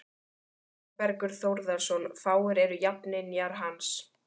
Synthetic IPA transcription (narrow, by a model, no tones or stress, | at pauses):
pɛɾkʏɾ̥θowɾðasɔnfaːwɪɾɛɾʏjapnɪnjaɾ̥ɦans